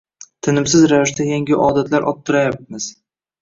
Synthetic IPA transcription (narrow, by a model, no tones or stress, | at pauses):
t̪ʰɪnɪmsɪzɾavɪʃd̪ajaŋʲɪʔɒd̪at̪laɾʔɒt̚t̪ʰːʊɾajap̚mɪz̥